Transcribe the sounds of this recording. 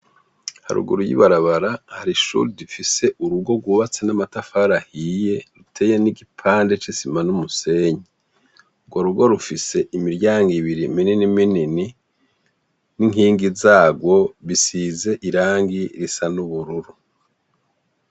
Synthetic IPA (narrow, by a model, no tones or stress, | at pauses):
ha̰ɾṵɡṵɾujḭβaɾaβaɾahaɾiʃṵːɾidifise̞ʔuɾuɡo̞ɡwuβat͡senamatafaɾahije̞ɾutʰe̞ːjeniɡipʰaːnde̞t͡ʃisimanumuse̞ːɲi | uɡwoɾuɡo̞ɾufise̞ʔimiɾɟaːŋɡiβiɾimininiminini | niŋɦiːŋɡizaːɡwo̞βisize̞ʔiɾaːŋɡiɾisanuβuɾuɾu